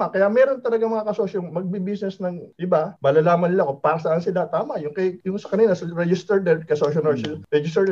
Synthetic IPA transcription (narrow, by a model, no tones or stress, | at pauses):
akɐjaʔmɛːɾo̞nt̪ɐlɐɡaŋmɐŋakɐsoːʃoŋmɐɡ̚bibisnɛsnɐŋʔɪbabalɐlaːmɐnɪlaʔɐko̞paːɾɐsɐʔansɪlat̪aːmɐʔjʊŋkɐjjʊŋsɐkɐniːlɐsɐɾɛd͡ʒɪst̪ɛɾd̪ɛd̪̚kɐsoːʃɐnmɛɹʃɐlɾɛd͡ʒɪst̪ɛ